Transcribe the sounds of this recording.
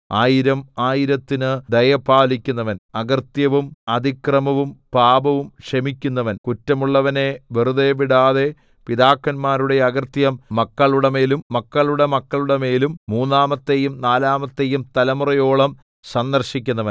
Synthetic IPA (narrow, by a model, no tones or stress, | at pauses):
aːjiɾɐmaːjiɾɐt̪ːinɨd̪ɐjɐpaːlikʲːunːɐʋɐnɐɣɐrt̪jɐʋumɐd̪ʱikrɐmɐʋumpaːbɐʋumʂɐmikʲːunːɐʋɐnkutːɐmuɭːɐʋɐne̞ʋeruðeʋiɽaːðe̞ | piðaːkːɐnmaːɾuɽe̞ɐɡɐrt̪jɐmːɐkːɐɭuɽɐme̞ːlumːɐkːɐɭuɽemɐkːɐɭuɽɐme̞ːlumːuːnːaːmɐt̪ːe̞jumnaːlaːmɐt̪ːe̞ːjumt̪ɐlɐmurɐjo̞ːɭɐm | sɐnd̪ɐrɕik̬ʲːunːɐʋɐn